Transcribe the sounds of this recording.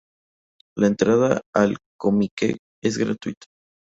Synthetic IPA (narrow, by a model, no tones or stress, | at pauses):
laent̪ɾaðaalkomikḛ | ezɣɾa̰t̪wit̪ʰḁ